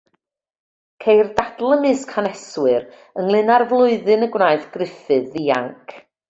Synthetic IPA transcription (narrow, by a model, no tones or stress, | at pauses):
kʰejrdadl̩ˠəmɨːskʰanɛswɨɾ | ənlˠɨnarvlˠʊɨðɨnəɡwraːɨθɡ̥rɪfɨðːiːa̰ŋkʰ